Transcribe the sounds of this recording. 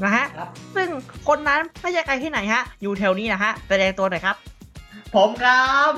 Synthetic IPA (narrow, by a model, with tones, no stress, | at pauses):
na˦˥kʰa˦˥ʔsɯ˥˩ŋkʰo˧nːa˦˥nʰaː˥˩jaː˧˩ka˧jhʰaː˥˩na˩˦jkʰa˦˥ʔjuː˨˩t̪ʰɛː˧wniː˥˩na˦˥kʰa˦˥sa˧dɛː˧ŋt̪u˧nɔ˨˩jkʰɾa˦˥p̚pʰo˨˩˦mkʰa˦˥p̚